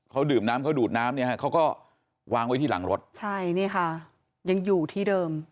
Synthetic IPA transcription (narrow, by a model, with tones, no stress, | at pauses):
kʰa˦˥wdɯː˨˩mnaː˦˥mkʰa˦˥wduː˨˩t̪̚naː˦˥mni˥˩kʰa˦˥˩kʰa˦˥wkɔː˥˩ | waː˧ŋwa˦˥jt̪iː˥˩la̰˩˦ŋɾo˦˥t̪̚t͡ɕʰa˥˩jni˥˩ɐkʰa˥˩ | ja˧ŋjuː˨˩t̪ʰiː˥˩dɤː˧m